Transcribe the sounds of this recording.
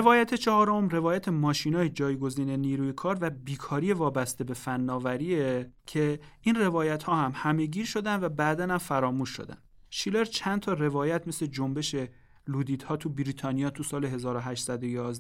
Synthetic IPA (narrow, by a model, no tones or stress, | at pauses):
evɒːjæt̪ʰet͡ʃʰɒhɒːɾomre̞vɒːjæt̪ʰe̞mɒːʃiːnɒːjed͡ʒɒːjɡo̞ziːne̞niːɾuːjekʰɒːɾvæbiːkʰɒːɾije̞vɒːbæst̪e̞be̞fænːɒːvæɾiːecʰe̞inre̞vɒːjæt̪hɒːhæmhæme̞ɟiːɾʃo̞d̪ænd̪væbæːd̪ænhæmfæɾɒːmuːʃːo̰d̪æ̰n | ʃiːle̞ɾt͡ʃʰænt̪ʰɒːre̞vɒːjæt̪ʰme̞sle̞d͡ʒo̞mbe̞ʃe̞ | luːd̪iːd̪̥hɒːt̪ʰubiɾiːt̪ʰɒːnijɒːt̪ʰusɒːleɦe̞zɒːɾoɦæʃt̪sæd̪ojɒːzd̪